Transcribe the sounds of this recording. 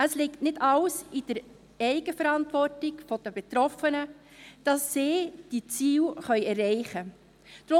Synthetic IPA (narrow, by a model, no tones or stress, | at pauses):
əslɪktnɪdɑlsid̥əɾ | ɛɪɡəfəɾɑntvɔrtɪkfod̥əbet̪ɾɔfənə | d̥ɑsːeːd̥it͡siːwχœʏɛrːɛɪχə | d̥ɾo